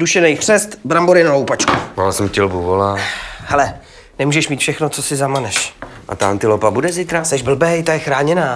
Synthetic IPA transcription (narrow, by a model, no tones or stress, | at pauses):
duʃɛnɛjxr̥ɛst̪bɾamboɾɪnoowpat͡ʃkumaːlasɛmcɪlbuvolahɛlɛ | nɛmuːʒɛʃmiːt̪fʃɛxnot͡sosɪzamanɛʃʔa̰t̪aant̪ɪlopabudɛzɪt̪ɾasɛʒbl̩bɛjt̪ajɛxɾaːɲɛnaː